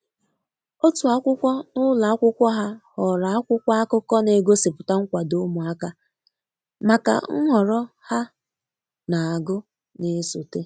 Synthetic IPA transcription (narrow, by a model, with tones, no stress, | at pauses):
o˦tu˨a˨˦kʷʊ˦kʷɔ˦nʊ˦la˨a˦kʷʊ˦kʷɔ˦ɦa˦hɔ˨ɾa˨a˦kʷʊ˦kʷa˦a˦kʊ˦kɔ˦ne˨ɡo˦sɪ˨pʊ˨ta˦ŋ̩˦kʷa˨do˦mu˨a˦ka˦ | ma˨ka̰˨ŋ̩˦ŋɔ˨ɾɔ˦ | ha˦ | na˨a˨ɡʊ˦ | ne˨˦su˨te˦